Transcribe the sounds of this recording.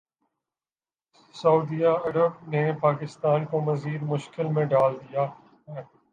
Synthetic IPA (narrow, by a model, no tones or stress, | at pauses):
səuːd̪ijaɐɾəb̚nepaːkɪst̪aːnkomɐziːd̪mʊʃkɪlmẽɖaːld̪ijaː | ɦɛː